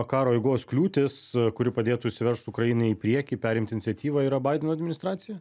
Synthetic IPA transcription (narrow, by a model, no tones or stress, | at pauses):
kɑːɾoːɐɪɡoːsklʲuːt̪ʲɪskʊɾʲɪpɐd̪ʲeːt̪ʊːʃʲsʲɪʋʲɛrʃt̪sʊʊkɾɐjinɐɪɪpʲɾʲiɛkʲiːpʲæːɾʲɪmt̪ʲɪnʲɪsʲɛt̪ʲiːʋɐiːɾɐbɐːɪd̪ʲɛnoɔɐd̪ʲmʲɪnʲɪst̪ɾɑːt̪sʲɪjɛ